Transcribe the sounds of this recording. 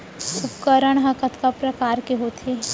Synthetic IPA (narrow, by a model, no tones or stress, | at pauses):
ʊpkəɾəɽ̃ɦɐ̃kət̪kapɾɐkaːɾkeɦoːt̪ʰe